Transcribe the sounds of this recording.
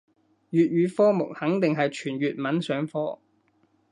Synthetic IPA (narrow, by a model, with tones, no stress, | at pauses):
jyː˨t̚ɥyː˨˧fɔː˥mʊ̰˨k̚hɐ˨˥ŋt̪ɪ˨ŋɦɐ˨jt͡ʃʰyː˨˩nɥyː˨t̚mɐ˨˥nsœː˨˥ŋfɔː˥